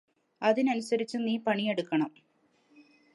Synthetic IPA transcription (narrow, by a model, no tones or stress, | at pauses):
ɐðinɐnusɐɾit͡ɕːɨniːpɐɳijeɽukːɐɳɐm